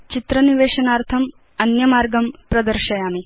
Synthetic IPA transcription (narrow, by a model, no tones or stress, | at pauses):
t͡ʃit̪ɾɐniʋeːʃɐnaːɾt̪ʰɐm | ɐnjɐmaːɾɡɐmpɾɐd̪ɐɾʃɐjaːmi